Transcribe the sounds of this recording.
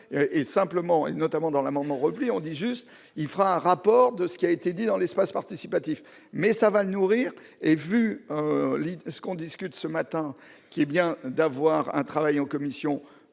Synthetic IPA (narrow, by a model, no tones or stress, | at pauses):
ʔesɛ̃pləmɑ̃ḛnɔt̪amɑ̃d̪ɑ̃lamɑ̃d̪mɑ̃ʁəpliɔ̃d̪iʒyst̪ | ilfəʁaɛ̃ʁapɔʁd̪əsə̥kʲiaet̪ed̪id̪ɑ̃lɛspaspaʁt̪isipat̪if | mɛsavalənuʁiːʁ | evyølisə̥kɔ̃d̪iskʲyt̪səmat̪ɛ̃ | kʲiɛbjɛ̃d̪avwaʁɛ̰̃t̪χavajɑ̃kɔmisjɔ̃